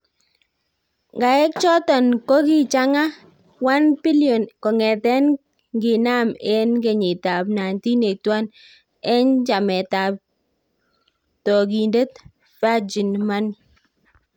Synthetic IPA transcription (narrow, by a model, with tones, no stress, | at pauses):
ŋɡa˨ɛ˦k̚t͡ʃɔ˦tɔ˨nko˦ɡi˦t͡ʃa˦ŋa˦ | wa˦npi˦ljo˨nkɔ˨ŋɛ˨tɛ˦n | ɡɪ˨na˦mɛ˦nɡe˨ɲɪ˨ta˨bna˨nti˦ne˨k̚twa˦n | ɛ˦nd͡ʒa˨mɛ˨ta˨p̚ | tɔ˨ɡi˨nde˦t | fa˦d͡ʒi˨nma˦n